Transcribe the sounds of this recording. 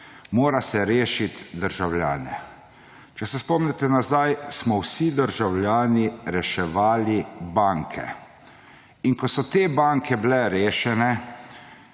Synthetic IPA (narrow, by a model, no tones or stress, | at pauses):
moːɾasɛɾeːʃit̪d̪əɾʒawlja̰ːnɛ | t͡ʃɛsɛspɔmnɛt̪ɛnazajsmɔwsid̪əɾʒawlʲjaːniɾɛʃɛʋaːlibaːŋkʰɛ̰ | iŋkɔsɔt̪eːbaŋkʰɛblɛɾeːʃɛnɛ